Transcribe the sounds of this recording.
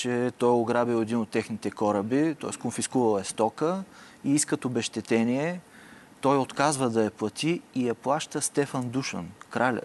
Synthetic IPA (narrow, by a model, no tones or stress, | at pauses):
t͡ʃɛt̪ɔjoɡɾabilˠɛd̪inot̪ːɛxnit̪ɛkɔɾəbit̪ɔ̰ɛ̰skonfiskuvɐlˠɛst̪ɔkə | iiskət̪obɛʃt̪ɛt̪ɛniɛ | t̪ɔjot̪kazvəd̪ɐjɐplˠɐt̪iːjɐplˠaʃt̪əst̪ɛfɐnd̪uʃə̰nkɾalʲə̰